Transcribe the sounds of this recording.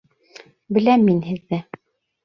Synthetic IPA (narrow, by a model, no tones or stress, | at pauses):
bɘ̆læmːinhɘ̆ðːɘ